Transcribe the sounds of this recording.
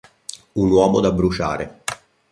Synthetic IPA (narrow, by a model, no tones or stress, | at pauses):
unwɔːmod̪abːɾut͡ʃa̰ːɾe